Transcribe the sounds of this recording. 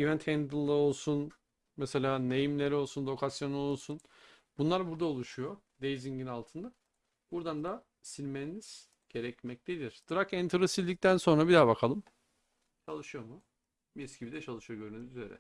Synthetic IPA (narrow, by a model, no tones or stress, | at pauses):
ivɛnt̪ʰɛnd̪ɯlˠːao̞lˠsun | mɛse̞lʲaːnejimlʲe̞ɾio̞lˠsunlo̞kʰasjo̞nuo̞lˠsun | b̥unlˠaɾbuɾd̪aolˠuʃujo | d̪ejziɲɟinalˠt̪ʰɯnd̪a | b̥uɾd̪and̪a | silʲmeniz̥ | ɟ̥e̞ɾɛcmɛc̚t̪ʰʲed̪ʲiɾ̥d̪̥ɯɾakɛnt̪ʰɾusizʲd̪ic̚t̪ʰænso̞nɾabid̪aːbakʰalˠɯm | t͡ʃʰalˠɯʃɯjo̞ɾmu | biscʲibid̪ɛt͡ʃʰalˠɯʃɯjoɟøɾynykyzeɾɛ̰